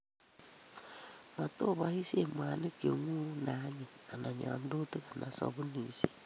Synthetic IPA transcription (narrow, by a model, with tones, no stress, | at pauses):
ma˨to˦βa˨˦hi˦se˦˨mwa˨ni˦ke˨ŋu˦na˦ɲi˨a˨na˨ɲa̰˨ndo˦te˦ka˨na˨so̰˨βu˦ni˨se˦